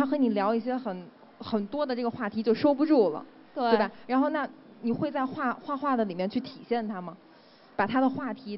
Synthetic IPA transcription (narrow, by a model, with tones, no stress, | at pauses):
a˥xɤ˧˥ni˨˩ljɑ˧˥ʊi˥˩ɕ̬jɛ˥xə˨˩n | xə˨˩nt̪wɔ˥d̪ə˨˧ʈ͡ʂɤ˥˩ɡə˩xwa˥˩t̪ʰi˧˥t͡ɕjo˥˩ʊʂo˥ʊpu˧ʈ͡ʂu˥˩lə̰˩ | t̪wee˥˩˥bɐ˨˩ɻa˧˥nxo˥˧ʊna˥˩ | ni˨˩xwe˥˧ɪt͡sa˥˧ɪxwa˥˧xwa˥˧xwa˥˩d̪ə˩li˨˩mjɛ˥˧nt͡ɕʰy˥˩t̪ʰi˨˩ɕjɛ˥˩nt̪ʰa˥mɐ˨˩ | pa˨˩t̪ʰa˥d̪ə˨xwa˥˩t̪ʰi˧˥